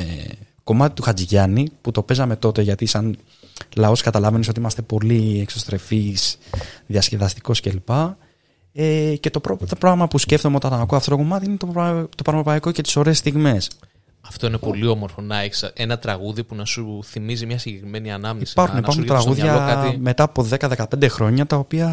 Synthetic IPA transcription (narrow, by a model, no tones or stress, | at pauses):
e | ko̞mɐt̪i̥t̪uxɐd͡ziʝɐniput̪o̞pe̞zɐme̞t̪o̞t̪e̞ʝɐt̪isɐn | lɐo̞skɐt̪ɐlɐvenisot̪iimɐst̪e̞po̞liekso̞st̪ɾe̞fisðiɐsce̞vɐst̪i̥ko̞sce̞lipɐ | ece̞t̪o̞pɾot̪pɾoɣmɐpusceft̪omeo̞t̪ɐnɐkoɐft̪ot̪oko̞mɐt̪iine̞t̪ot̪o̞pɐɾmɾopɐiko̞ce̞t̪i̥so̞ɾe̞ːst̪iɣme̞s | ɐft̪o̞inepo̞lio̞mo̞ɾfonɐesɐʔenɐt̪ɾɐɣuðipunɐsuθimizimɲɐsiɲɟe̞kɾime̞niɐnɐmniesi̥pɐɾxuneipɐɾxunt̪ɾɐɣuðʝɐɐɐime̞t̪ɐːpo̞ðe̞kɐðe̞kɐpe̞nd̪e̞xɾo̞ɲɐt̪ɐo̞piɐ